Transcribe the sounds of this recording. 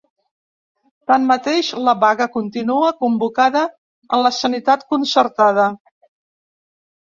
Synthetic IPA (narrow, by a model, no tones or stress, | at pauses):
t̪anmət̪eʃləβaɣəkunt̪inuəkumbukaðə | ənləsənit̪at̪kunsəɾt̪aðə